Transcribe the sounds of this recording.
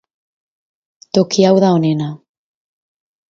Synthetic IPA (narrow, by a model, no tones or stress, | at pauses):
t̪okiawðaonena